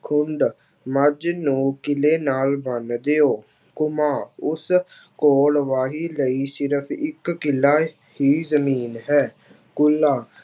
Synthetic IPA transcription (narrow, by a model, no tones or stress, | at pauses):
kʰʊɳɖ | məd͡ʒnõːkɪleːnaːlbənd̪eoː | kʊmaːʊs | koːlʋaːɦiːləiːsɪɾəpʰɪkːɪlːaː | hiːzəmiːnɦɛː | kʊlːaː